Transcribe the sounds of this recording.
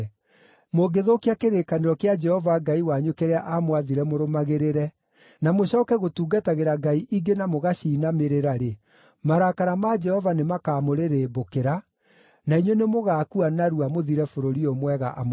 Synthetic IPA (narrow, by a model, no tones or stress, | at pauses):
moɡeðokiakeɾekaneɾɔkjad͡ʒɛhɔvaɡaiwaɲokeɾeaʔamwaðiɾɛmoɾomaɣeɾeɾɛ | namoɕɔːkɛɣotuːɡataɣeɾaɡaiʔiɡenamoɣaɕiːnameɾeɾaɾe | maɾakaɾamad͡ʒɛhɔvanemakaːmoɾeɾeːbokeɾa | naiɲwonemoɣaːkuanaɾuamoðiɾɛfoɾoɾiomwɛɣa̰ʔa̰m